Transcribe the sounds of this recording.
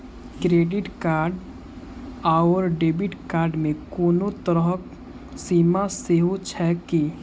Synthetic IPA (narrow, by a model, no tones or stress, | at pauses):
kɾeːɖɪʈkaːɾɖ | aəɾɖeːbiʈkaːɾɖmẽkɔːnot̪əɾəɦk | siːmaseɦot͡ʃʰɛki